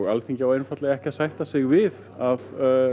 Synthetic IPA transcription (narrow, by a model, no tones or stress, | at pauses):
ɣalθiɲcɪawejnfat̪lɪɣɛhcɪaðsajht̪asɪɣvɪð | að